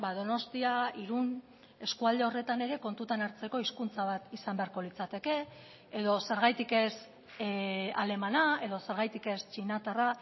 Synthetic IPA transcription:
baðo̞no̞st̪iaiɾun | e̞skuald̪e̞o̞re̞t̪ane̞ɾe̞ko̞nt̪ut̪anaɾt͡se̞ko̞iskunt͡saβ̞at̪isambe̞aɾko̞lit͡sat̪e̞ke̞ː | ðo̞se̞ɾɣ̞ajt̪ike̞s | ale̞manae̞ðo̞se̞ɾɣajt̪ike̞st͡ʃinat̪ara

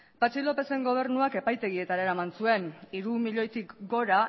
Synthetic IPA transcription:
pat͡ʃilo̞pe̞se̞ŋɡo̞β̞e̞ɾnuake̞pajt̪e̞ɣie̞t̪aɾaeɾamansue̞niɾumiʎo̞jt̪ikɡo̞ɾa

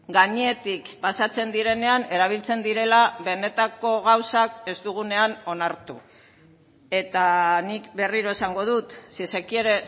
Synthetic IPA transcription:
ɡaɲeet̪ikpasat͡se̞nd̪iɾe̞ne̞ane̞ɾaβ̞ilt͡se̞nd̪iɾe̞laβe̞ne̞t̪ako̞ɣawsake̞zt̪uɣ̞une̞ano̞naɾt̪u | e̞t̪anikbe̞riɾo̞e̞saŋɡo̞ð̞ut̪sisekie̞ɾe̞

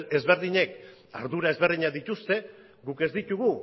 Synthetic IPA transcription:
e̞zβe̞ɾðiɲe̞k | aɾðuɾae̞zβe̞ɾðiɲaðit̪ust̪e̞ | ɡuke̞zd̪it̪uɣu

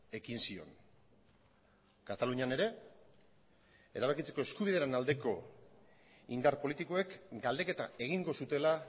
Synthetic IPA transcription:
e̞kinsio̞̰n | kat̪aluɲane̞ɾe̞ | ḛɾaβakit͡se̞ko̞eskuβiðeɾenald̪e̞ko̞ | ind̪aɾpo̞lit̪iko̞e̞kɡald̪e̞ke̞t̪ae̞ɣiŋɡo̞sut̪e̞la

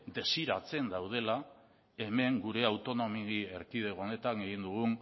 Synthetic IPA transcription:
d̪e̞siɾat͡se̞nd̪awð̞e̞la | e̞me̞ŋɡuɾe̞awt̪o̞no̞miɣie̞ɾkiðe̞ɣone̞t̪aneɣind̪uɣ̞un

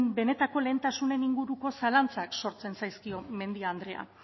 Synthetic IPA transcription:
mbe̞ne̞t̪ako̞le̞ːnt̪asune̞niŋɡuɾuko̞salant͡sakso̞ɾt͡se̞nsajskio̞me̞nd̪iaːnd̪ɾe̞a̰

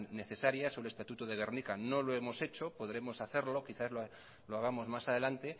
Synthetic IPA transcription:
ne̞θe̞saɾjasolest̪at̪ut̪oðe̞ɣ̞e̞ɾnikano̞lo̞e̞mo̞se̞t͡ʃopo̞ðɾe̞mo̞saθe̞ɾlo̞kiθazlo | loaɣamo̞zmasað̞e̞lant̪e̞

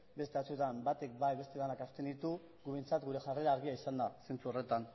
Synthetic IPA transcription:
be̞st̪e̞at͡suet̪ambat̪ekbajβe̞st̪e̞ðanakast̪e̞nd̪it̪u | ɡuβe̞nt͡sat̪ɡuɾe̞ʝare̞ɾaːɾɣiaisand̪asent͡suore̞t̪an

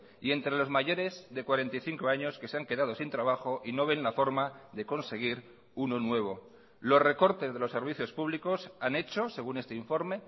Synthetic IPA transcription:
ie̞nt̪ɾe̞lo̞zmaʝo̞ɾe̞zðe̞kwaɾe̞nt̪ajθiŋko̞aɲo̞ske̞seaŋke̞ðað̞o̞sint̪ɾaβ̞axo̞ʔino̞β̞e̞nlafo̞ɾmaðe̞ko̞nse̞ɣ̞iɾ | uno̞nwe̞β̞o̞ | lo̞sre̞ko̞ɾt̪e̞zðe̞lo̞sːe̞ɾβ̞iθjo̞spuβliko̞sane̞t͡ʃo̞se̞ɣ̞une̞st̪eiɱfo̞ɾme̞

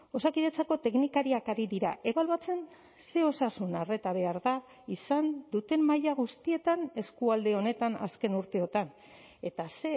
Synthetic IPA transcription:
o̞sakiðe̞t͡sako̞t̪e̞knikaɾiakaɾiðiɾaʔe̞βaluat͡se̞n | se̞o̞sasunare̞t̪aβe̞aɾða | isand̪ut̪e̞mːajaɣ̞ust̪ie̞t̪ane̞skuald̪e̞o̞ne̞t̪ana̰ske̞nuɾt̪e̞o̞t̪an | e̞t̪ase̞

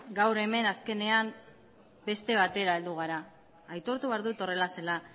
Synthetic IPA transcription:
ɡawɾe̞me̞naske̞ne̞am | be̞st̪e̞β̞at̪e̞ɾaeld̪uɣ̞aɾaː | jt̪o̞ɾt̪uβeaɾðut̪o̞re̞lase̞la

